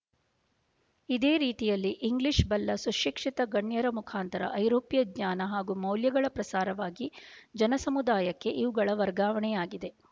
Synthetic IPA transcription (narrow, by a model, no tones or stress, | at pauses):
id̪eːɾiːt̪ijɐlːiʔiŋɡliʂbɐlːɐsuʃikʂit̪ɐɡɐɳjɐɾɐmukʰaːnt̪ɐɾɐ̰ʔɐjɾoːpijɐdɲaːnɐɦaːɡumɐwljɐɡɐɭɐpɾɐsaːɾɐʋaːɡid͡ʒɐnɐsɐmud̪aːjɐkːe̞ʔiʋuɡɐɭɐʋɐɾɡaːʋɐɳɛjaːɡid̪e̞